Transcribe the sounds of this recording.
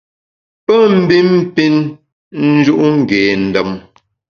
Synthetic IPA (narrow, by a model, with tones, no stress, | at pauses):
pə˦m̩˨˦bi˦m˦pi˦n | n̩˦d͡ʒu˦ʔŋ̩˨ɡeː˨n̩˨də˨m